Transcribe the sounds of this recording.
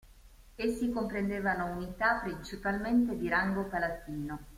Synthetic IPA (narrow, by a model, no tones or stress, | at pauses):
esːikompɾend̪eːvanounit̪apːɾint͡ʃipalment̪ed̪iɾaŋɡopalat̪iːno